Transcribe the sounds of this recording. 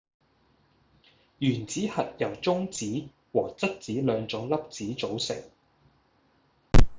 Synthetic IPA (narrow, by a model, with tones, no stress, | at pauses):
jyː˨˩nt͡siː˨˥hɐ˨t̚jɐ˨˩wt͡sʊ˥ŋt͡siː˨˥ | wɔː˨˩t͡sɐ˥t̚t͡siː˨˥lœː˨˧ŋt͡sʊ˨˥ŋlɐ˥p̚t͡siː˨˥t͡so˨˥wsɪ˨˩ŋ